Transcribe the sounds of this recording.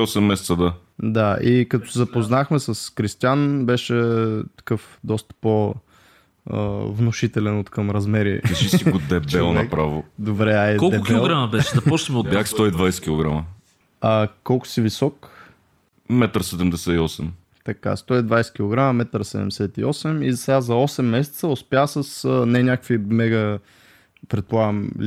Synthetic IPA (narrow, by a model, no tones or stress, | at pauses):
ɔsɛmːɛsɛt̪səd̪a | d̪aikɐt̪ɔ̥sɛzɐpoznaxmɛsɐskɾist̪janbɛʃɛt̪ɐ̥kɤfd̪ɔst̪ə̥po | ə̰vnʊʃit̪ɛlɛnot̪kəmɾɐzmɛɾiɾɛʃisiɡod̪ɛbɛlˠnɐpɾavod̪obɾɛaikɔlˠd̪ɛʊkʲˠɛlˠɡɾamɐbɛʃɛd̪ɐpɔt͡ʃnəmokakst̪ɔid̪vajsɛ̥kʲilˠoɡɾamə | ɐkɔlˠkʊ̥sivisɔk | mɛt̪ɾsɛd̪ɛmd̪ɛsɛiɔsɛm | t̪ɐka̰st̪ɔid̪vajsɛ̥kʲilˠoɡɾamɐmɛt̪ɾəsɛd̪ɛ̰md̪ɛsɛt̪iɔsɛmizɐsɛɡazɐɔsɛmːɛsɛ̥t̪səʊspʲjasəsnɛnʲakəkfvimɛɡə | pɾɛt̪̚polˠaɡəm